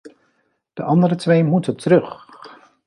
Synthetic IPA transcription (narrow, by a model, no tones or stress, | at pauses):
d̥əʔɑndəɾətʋejmutətrɵχ